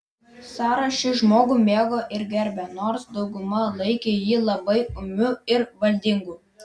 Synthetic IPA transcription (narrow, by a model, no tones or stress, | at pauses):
sɑːɾɐʃʲɪʒmoːɡuːmʲeːɡoːʔɪɾɡʲɛɾʲbʲɛnoːɾsd̪ɒʊɡʊmɐlˠɐɪkʲejiːlˠɐbɐɪʊmʲʊɪɾʋɐlʲd̪ʲɪŋɡuː